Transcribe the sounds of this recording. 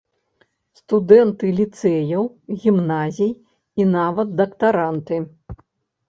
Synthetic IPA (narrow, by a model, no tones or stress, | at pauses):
st̪ud̪ɛnt̪ɨlʲit̪sɛjɐw | ɣʲimnazʲij | inavɐt̪ːɐkt̪aɾant̪ɨ